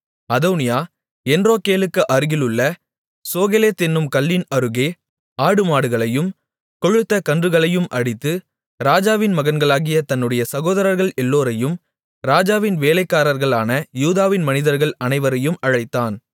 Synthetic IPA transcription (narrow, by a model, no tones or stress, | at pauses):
ɐðɐːnɪjaː | ɛndroːkeːlɯkːɯʔɐɾɯɣɪlɯɭːɐ | soːɣɛleːt̪ɪnːɯmkɐlːɪnɐɾɯɣeː | aːɽɯmaːɽɯɣɐɭɐjɯm | kɔɻɯt̪ːɐkɐndrɯɣɐɭɐjɯmʔɐɽɪt̪ːɯ | ɾaːd͡ʒaːʋɪnmɐɣɐnɡɐɭaːɣɪjɐt̪ɐnːɯɽɐjɐsɐɣoːðɐɾɐɾɣɐɭɛlːoːɾɐjɯm | ɾaːd͡ʒaːʋɪnʋeːlɐɪkːaːɾɐɾɣɐɭaːnɐjuːðaːʋɪnmɐnɪðɐɾɣɐɭɐnɐɪʋɐɾɐjɯmɐɻɐɪt̪ːaːn